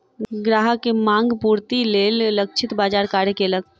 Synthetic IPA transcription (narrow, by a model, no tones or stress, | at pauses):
ɡɾaːɦəkemãːŋɡpuːɾt̪ileːllək̚t͡ʃʰɪt̪baːd͡ʒaːɾkaːɾjəkeləɡ̚